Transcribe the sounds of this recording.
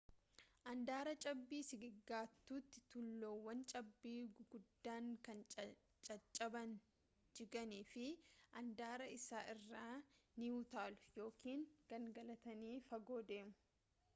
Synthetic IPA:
ʔɐnd̪aːɾɐt͡ʃʼɐbːiːsɪɡɪɡːaːt̪ːuːt̪ːɪ̥t̪ʊlːoːwːɐnt͡ʃʼɐbːiːɡ̥ʊd̪ːaːŋkɐn | t͡ʃʼɐt͡ʃʼːɐbɐn | d͡ʒɪɡɐniːfɪʔɐnd̪aːɾɐɪsaːʔɪrːaːnɪjuːt̪aːlʊ̥jo̞ːkʰiːŋɡ̥ɐŋɡɐlɐt̪ɐniːfɐɡo̞ːd̪e̞ːmʊ̥

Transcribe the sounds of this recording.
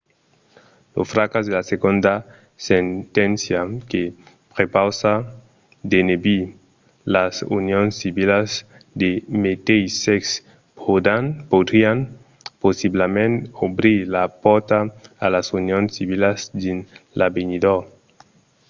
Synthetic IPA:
lo̰sfɾakazd̪elaseɡond̪a | sent̪ensjake | pɾepawsa | d̪enebi | lasṵnjonsiβilaz | d̪emet̪ejseks | pod̪anpod̪ɾian | posiblamẽnobɾilapɔɾt̪aalasunjonsiβilazd̪inlabenid̪o

